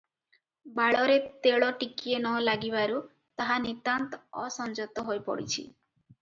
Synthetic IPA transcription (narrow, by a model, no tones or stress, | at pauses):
baɭɔɾet̪eɭɔʈikienɔlaɡibaɾu | t̪aɦanit̪ant̪ɔɔ̰sɔnd͡ʒot̪ɔɦojpɔ̰ɽḭt͡ʃʰḭ